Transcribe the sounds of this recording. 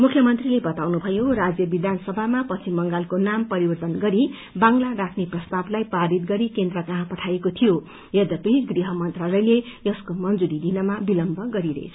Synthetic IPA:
mukʰjʌmʌnt̪rilebʌt̪awnubʱʌjorad͡zjʌbid̪ʱansʌbʱamapʌt͡sʰimʌŋɡalkonampʌɾibʌrt̪ʌnɡʌɾi | baŋlarakʰneprʌst̪ablajpaɾit̪̚ɡʌɾikend̪rʌkaɦãpʌʈʰajekot̪ʰijo | ʌd̪ʌpiɡriɦʌmʌnt̪ralʌjlejʌskomʌnd͡zuɾid̪inʌmabilʌmbʱʌɡʌɾiɾḛt͡sʰʌ̥

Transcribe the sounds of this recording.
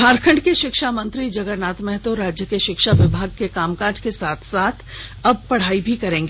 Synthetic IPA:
kʰaːɾkʰə̃ɳɖkeʃɪkʃaːmə̃nt̪ɾid͡ʒɐɡəɾnaːt̪mɛɦt̪oɾaːd͡ʒjəkeʃɪkʃaʋɪbʱaːɡ̚kekaːmkaːɾd͡ʒkesaːt̪ʰsaːt̪ʰɐb̚pɐɽ̤aːibʱikɐɾẽːŋɡeː

